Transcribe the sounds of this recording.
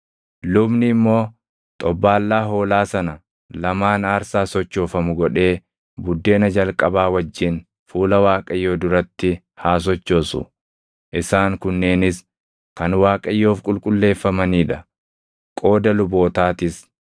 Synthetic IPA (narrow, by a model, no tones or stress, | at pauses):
lʊbnɪːmːo̞ː | t̪ʼɔbːaːlːaːɦo̞ːlaːsɐnɐ | lɐmaːnaːɾsaːsɔt͡ʃːo̞ːfɐmʊɡɔᶑe̞ː | bʊd̪ːe̞ːnɐd͡ʒɐlkʼɐbaːwɐd͡ʒːɪn | fuːlɐwaːkʼɐjːo̞ːd̪ʊɾɐt̪ːɪ | haːs̬ɔt͡ʃːo̞ːsʊ̰ | ʔɪsaːŋkʊnːe̞ːnɪs | kɐnwaːkʼɐjːo̞ːfkʼʊlkʼʊlːe̞ːfːɐmɐniːᶑɐ | kʼo̞ːd̪ɐlʊbo̞ːt̪aːt̪ɪs